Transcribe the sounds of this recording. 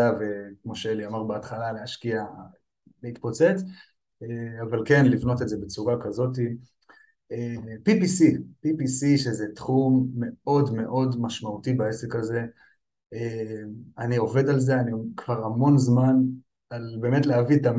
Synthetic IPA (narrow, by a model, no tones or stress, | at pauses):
avekmo̞ʃeeliamaʁbeat̪χalaleaʃkia | leit̪po̞t͡se̞t͡s | eavalke̞nlivno̞t̪edze̞bet͡suʁakazo̞t̬i | epipisipipisiʃezet̪χumːe̞o̞dme̞ʔo̞dmaʃmautibae̞sekaze̞ | emanio̞ve̞dalze̞anikv̥aʁhamo̞nzman | albe̞ːme̞tleavit̪am